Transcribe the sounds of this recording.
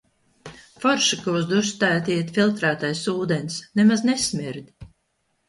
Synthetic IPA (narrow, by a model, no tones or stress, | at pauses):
fɔɾʃakɔzd̪ust̪æːt̪iɛt̪filˠt̪ɾæːt̪ajsuːd̪enʲsnɛmaznesmʲiɾd̪ʲ